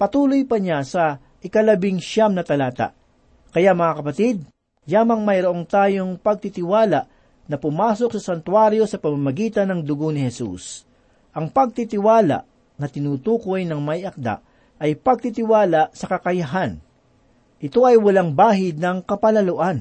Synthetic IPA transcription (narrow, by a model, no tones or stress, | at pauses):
pɐt̪uːlo̞jpɐɲasɐ | ʔɪkɐlɐbɪŋʃamnɐt̪ɐlaːt̪a̰ʔ | kɐjamɐŋakɐpɐt̪id̪̚ | jaːmɐŋmɐjɾoʔo̞ŋt̪aːjo̞ŋpɐɡ̚t̪it̪ɪwaːlaʔ | nɐpʊmaːs̬o̞k̚sɐsɐnt̪waɾjo̞sɐpɐmamɐɡiːt̪ɐnɐŋd̪ʊɡonɪhɛsṵs | ʔɐŋpɐɡ̚t̪it̪ɪwaːla̰ʔ | nɐt̪ɪnuːt̪uːko̞jnɐŋmɐjʔɐk̚d̪a̰ʔ | ʔɐjpɐɡ̚t̪it̪ɪwaːlɐʔsɐkɐkɐjɐɦan | ʔɪt̪o̞ʔɐjwɐlaŋbaːɦɪd̪̚nɐŋkɐpɐlɐloʔan